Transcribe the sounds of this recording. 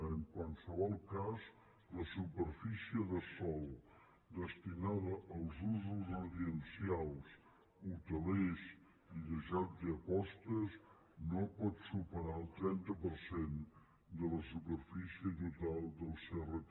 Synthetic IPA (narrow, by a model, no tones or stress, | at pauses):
əŋkwalˠsəβɔlˠkaz | ləsupəɾfisiəðəsɔlˠ | d̪əst̪inaðəʔːlˠzuzuzuɾðiənsialˠs | ut̪əlez | iʎəʒat̪d̪əəpɔst̪əz | nopɔt̪supəɾaəlˠt̪ɾɛnt̪əpəɾsen | d̪ələsupəɾfisiət̪ut̪alˠd̪əlˠsərət̪